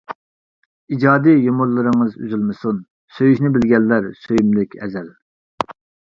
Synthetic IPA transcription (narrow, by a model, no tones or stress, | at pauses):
id͡ʒɑːd̪ijomuɾlˠɨɾɨŋɨzy̰zylmɨsun | søjyʃnɪbɪlɡʲɛlːæɾsøjymlɪkʲɛ̰zɛl